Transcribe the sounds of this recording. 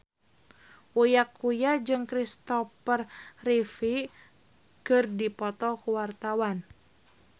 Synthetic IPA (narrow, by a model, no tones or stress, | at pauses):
ʔujakujad͡ʒɨŋkɾist̪ɔfərːifi | kɨrdipɔt̪ɔkuwart̪awan